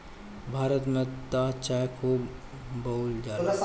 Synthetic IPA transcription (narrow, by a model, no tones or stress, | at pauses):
bʱaːɾət̪mẽt̪at͡ʃakʰuː | bold͡ʒaː